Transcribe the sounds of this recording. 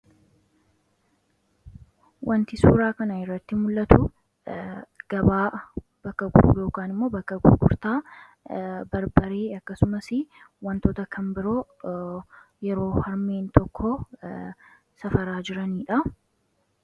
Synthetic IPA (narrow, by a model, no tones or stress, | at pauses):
wʔɐnt̪ɪsuːɾaːkɐnɐɪrːɐt̪ːɪmʊlːɐt̪ʊ | ɡ̥ɐbaː | b̥ɐkːɐɡʊ̰ɾṵːjo̞ːkaːnɪmːo̞ːbɐkːɐɡʊ̰ɡʊ̰ɾt̪aː | bɐɾbɐɾeːɐkːɐsʊmɐsɪwɐnt̪oːt̪ɐkʰɐmbɪɾo̞ː | jɛɾo̞ːhɐɾmeːnt̪ɔkːɔ | sɐfɐɾaːd͡ʒɪɾɐniːᶑɐ